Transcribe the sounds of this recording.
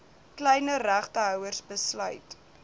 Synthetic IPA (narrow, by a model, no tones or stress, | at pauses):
klɛjnəræχtəɦœwərsbəslœɥt